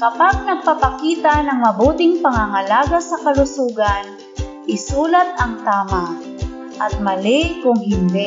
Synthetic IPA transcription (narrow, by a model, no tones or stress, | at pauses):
kɐpaɡ̚nɐɡ̚papɐkiːt̪anɐŋmɐbuːt̪ɪŋpɐŋaŋalaːɡasɐkɐlʊsuːɡɐn | ʔɪsuːlat̪̚ɐŋt̪aːma | ʔɐt̪̚mɐlɪkʊŋɦɪnd̪ɛ